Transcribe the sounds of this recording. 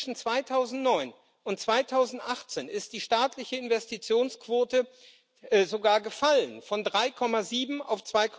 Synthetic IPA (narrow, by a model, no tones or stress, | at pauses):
ʃn̩t͡sv̥aɪtʰaʊzn̩tnɔʏn | ʊntt͡sv̥aɪtʰaʊzn̩tʔaχt͡seːnɪst̚d̥iːʃtaːtʰlɪçəɪnvɛstit͡sjoːnskv̥oːtə | zoɡaːɐɡəfalənfɔndʁaɪkʰɔmaziːbm̩a̰ʊft͡sv̥aɪkʰ